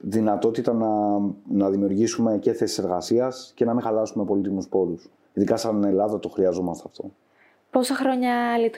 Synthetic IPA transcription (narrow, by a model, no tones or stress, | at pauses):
ðinɐt̪o̞t̪it̪ɐnɐnɐðimiuɾʝisume̞ce̞θe̞si̥se̞ɾɣɐsiɐsce̞nɐmĩŋxɐlɐsume̞po̞lit̪̬imuspo̞ɾus | iðikɐsɐne̞lɐðɐt̪o̞xɾiɐzo̞mɐst̪eɐft̪o̞ | po̞sɐxɾo̞ɲɐlit̪